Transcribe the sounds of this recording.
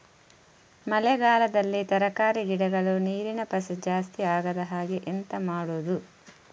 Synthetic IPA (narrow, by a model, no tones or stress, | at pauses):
mɐlɛɡaːlɐd̪ɐlːit̪ɐɾɐkaːɾiɡiɽɐɡɐɭuniːɾinɐpɐsɐd͡ʒaːst̪iaːɡɐd̪ɐɦaːɡeʔent̪ɐmaːɽuːd̪u